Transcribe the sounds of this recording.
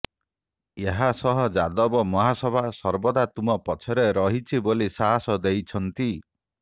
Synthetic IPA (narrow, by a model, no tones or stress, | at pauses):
eɦasɔɦɔd͡ʒad̪ɔbɔmɔɦasɔbʱasɔɾbɔd̪at̪umɔpɔt͡ʃʰɔɾeɾɔɦit͡ʃʰibolisaɦasɔd̪ejt͡ʃʰɔnt̪i